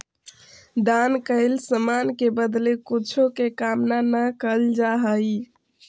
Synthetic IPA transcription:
d̪ankəɪlsəmankebəd̪lekut͡ʃʰokekamnanəkəld͡ʒaɦəj

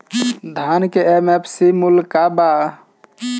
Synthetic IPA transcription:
d̪ʱankeemepʰsimulkaba

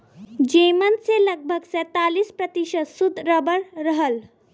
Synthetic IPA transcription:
d͡ʒemənseləɡ̚bʱəɡsɛt̪alispɾət̪iʃəd̪sud̪ʱɾəbəɾːəɦəl

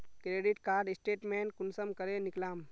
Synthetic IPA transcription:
kɾeːɖɪʈkaːɾɖɪsʈeːʈmeːnkʊnsəmkəɾenɪklaːm

